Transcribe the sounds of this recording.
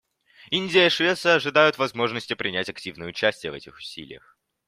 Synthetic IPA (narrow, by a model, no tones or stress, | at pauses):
inʲdʲɪjəʂvʲe̞t̪səɐʐɨd̪ajʊt̪vɐzmo̞ʐnəsʲtʲɪpɾʲɪnʲætʲɐktʲivnəjəʊt͡ɕæsʲtʲɪjəvɛtʲɪxʊ̥sʲḭlʲɪ̰jə̰x